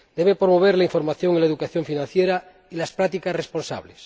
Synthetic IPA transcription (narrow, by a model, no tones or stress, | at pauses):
d̪eβepɾomoβ̞eɾlaiɱfo̞ɾmaθjoŋilaeðukaθjoɱfinãn̟θjeɾa | ilaspɾat̪ikasrespo̞nsa̰βles